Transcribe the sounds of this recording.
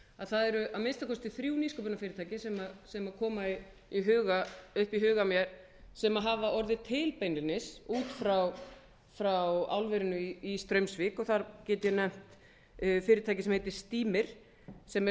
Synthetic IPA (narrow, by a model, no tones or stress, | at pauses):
aðθaðɛɾʏʔawmenst̪akʰɔst̪ɪθɾjuːwniskɔpʏnafɪːɾɪt̪ʰaːjcɪsɛmasɛmakʰɔːmai | iɦʏːɣaʏhpiɦʏːɣamjɛɾ̥ | sɛmaɦavaʔɔɾðɪt̪ʰɪlpejnɪnɪsuːt̪fɾaw | fɾawa̰wlvɛɾʏnʏiist̪ɾœɥmsvɪːkɔθaɾcɛːt̪ʏjɛnɛm̥t̪ | fɪːɾɪɾt̪ʰajcɪsɛmhejt̪ɪɾ̥st̪iːmɪɾ̥ | sɛm